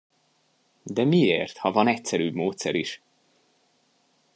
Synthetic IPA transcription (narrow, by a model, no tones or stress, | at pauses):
d̪ɛmieːrt̪hɒvɒnɛcsɛɾyːbmoːt̪sɛɾiʃ